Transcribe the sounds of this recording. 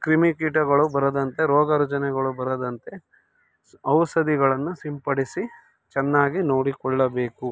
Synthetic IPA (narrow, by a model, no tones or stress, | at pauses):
kɾimikiːʈɐɡɐɭubɐɾɐd̪ɐnt̪e̞ɾɔːɡɐɾud͡ʒɐnɛɡɐɭubɐɾɐd̪ɐnt̪e̞ | ɐʋsɐd̪iɡɐɭɐnːusimpɐɽisi | t͡ʃɛnːaːɡino̞ːɽikɔɭːɐbe̞ːku